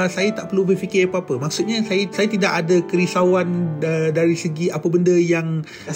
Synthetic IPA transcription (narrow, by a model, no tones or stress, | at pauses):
sajat̪aʔpərlubərfikɪapəapəmaksut̪̚ɲãsajasajat̪idaʔadakəɾisawandaɾisəɡiʔapəbəndəjaŋ